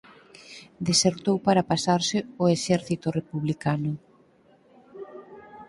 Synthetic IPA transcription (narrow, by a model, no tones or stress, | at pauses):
d̪eseɾt̪owpaɾapasaɾsɪʊeʃɛɾθit̪ʊrepuβlikanʊ